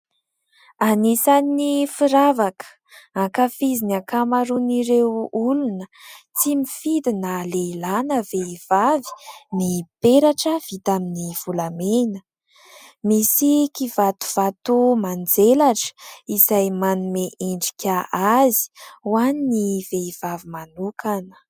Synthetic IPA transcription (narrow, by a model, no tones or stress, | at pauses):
anisannifiɾavakə̥ | akafizinakamaɾuniɾewulunət͡simifid̪inəleilanəveiv̥avi̥nipeɾaʈ͡ʂəv̥it̪aminiv̥ulamenə̥ | misikivat̪u̥v̥at̪umand͡zelaʈ͡ʂə̥izajmanumeʔeɳɖ͡ʐi̥kʲaazi̥uwaniniveiv̥avimanukʰanə̥